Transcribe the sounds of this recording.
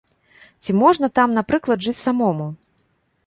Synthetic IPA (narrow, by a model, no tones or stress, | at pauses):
t͡sʲimɔʐnɐt̪amnapɾɨklˠɐd̪ʐɨt͡sʲsamɔmu